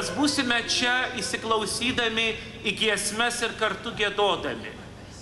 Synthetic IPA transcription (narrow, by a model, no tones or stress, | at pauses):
sbuːsʲɪmʲɛt͡ʃʲɛisʲɪklˠɐʊsʲiːd̪ɐmʲɪ | ɪɡʲiɛsʲmʲɛsɪɾkɐɾt̪ʊɡʲiɛd̪oːd̪ɐmʲɪ̰